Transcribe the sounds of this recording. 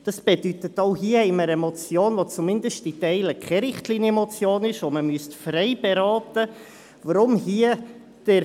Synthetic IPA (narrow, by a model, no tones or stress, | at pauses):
d̥ɑsb̥edytətoʊɦiəhɛɪməɾɛmɔt͡sjoːnvot͡sumɪndəstɪtɛɪləkʰɛɾɪχtliːnjɛmɔt͡sjoːnɪʃʋoməmyəstfrɛɪbeɾɑːtə | vəɾʊmhiə | d̥ɛ